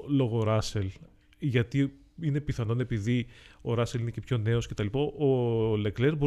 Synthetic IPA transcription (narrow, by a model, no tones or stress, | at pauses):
lo̞ɣo̞ɾɐse̞l | ʝɐt̪i | ine̞piθɐno̞ne̞piðio̞ɾɐseline̞ce̞pço̞ne̞o̞sce̞t̪ɐlipɐʔole̞kleɾbo